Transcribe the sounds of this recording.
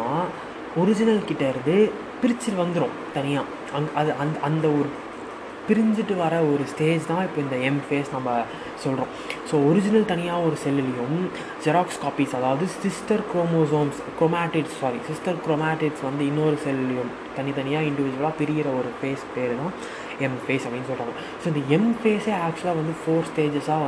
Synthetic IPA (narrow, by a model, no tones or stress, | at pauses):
aː | ɔɾɪd͡ʒɪnɐlkɪʈːɐɪɾɯnd̪ɯ | pɪɾɪt͡ʃːɪlʋɐnd̪ɯɾõː | t̪ɐnɪjaː | ɐŋɡʔɐðɯʔɐnd̪ʔɐnd̪ɐɔɾɯ | pɪɾɪɲd͡ʒɪʈːɯʋɐɾɐɔɾɯsʈeːd͡ʒt̪ãːɪpːoːɪnd̪ɐɛmfeːsnɐmbɐ | sɔlɾõːsoːɔɾɪd͡ʒɪnɐlt̪ɐnɪjaːɔɾɯsɛlɪlɪjɯm | d͡ʒɛɾaːkskaːpiːsɐðaːʋɐðɯsɪsʈɐɾkɾoːmoːs̬oːmskɾoːmaːʈɪʈssaːɾisɪsʈɐɾkɾoːmaːʈɪʈsʋɐnd̪ɯɪnːoːɾɯsɛlɪlɪjʊm | t̪ɐnːɪjɐt̪ɐnɪjaːɪɳɖɪʋɪd͡ʒʊʋɐlaːpɪɾɪjɪɾɐɔɾɯfeːspeːɾɯt̪ãː | ɛmfeːsɐpɐɽɪnːɯs̬ɔlɾãː | soːɪnd̪ɐɛmfeːseaːk̚t͡ʃlaːʋɐnd̪ɯfoːɾsʈeːd͡ʒɛsaːʋɐ